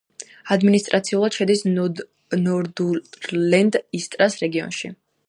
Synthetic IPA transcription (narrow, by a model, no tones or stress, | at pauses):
ad̪minist̪ʼɾʔat̪sʰiulˠad̪̥ʃɛd̪is | nɔɾd̪ulɛnd̪ist̪ʼɾasɾɛɡiɔ̰nʃḭ